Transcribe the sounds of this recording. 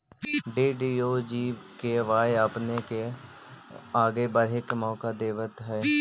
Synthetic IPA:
ɖiːɖiːoːd͡ʒiːkeʋaːeaːpneke | aːɡebəɾɦɪkmɔːkad̪eːʋət̪ɦɛː

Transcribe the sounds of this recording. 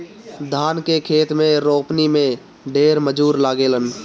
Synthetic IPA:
d̪ʱaːnkekʰeːt̪mẽɾoːpnimẽ | ɖeːɾməd͡ʒuːɾlaːɡeːlən

